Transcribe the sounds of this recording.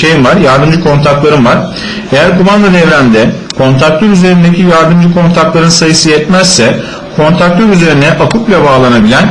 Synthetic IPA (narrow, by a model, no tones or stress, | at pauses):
ejimvaɾjaɾd̪ɯmd͡ʒɯkʰo̞nt̪ʰakt̪lˠaɾɯnvaɾ̥ | e̞jæɾkʰumand̪anɛvɾʲænd̪ɛkʰo̞nt̪ʰak̚t̪ˠøɾyze̞ɾind̪ecʰijaɾd̪ɯmd͡ʒɯkʰo̞nt̪ʰak̚t̪lˠaɾɯnsajɯsɯjɛt̪mɛzsɛ | kʰo̞nt̪ʰak̚t̪ʲʰøɾyze̞ɾinɛʔakʰuplʲˠabaːlˠanabilʲæn